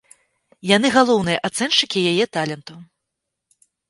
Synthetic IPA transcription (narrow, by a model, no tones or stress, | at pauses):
jan̪ɨɣalˠɔwn̪ɨjɐʔat̪sɛnt͡ʂɨkʲijajɛt̪alʲɛnt̪u